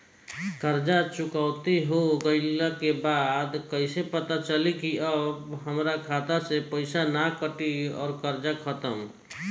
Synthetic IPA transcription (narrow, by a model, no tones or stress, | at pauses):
kəɾd͡ʒat͡ʃʊkaʊt̪iɦoɡəɪlakebad̪kəɪsepət̪at͡ʃəlikiəbɦəmɾakʰat̪asepəɪsanakəʈiɔ̰ːɾkəɾd͡ʒakʰət̪əm